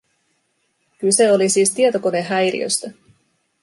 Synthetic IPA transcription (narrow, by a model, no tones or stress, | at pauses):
kyse̞olisiːst̪iet̪o̞ko̞neɦæjɾḭø̰st̪æ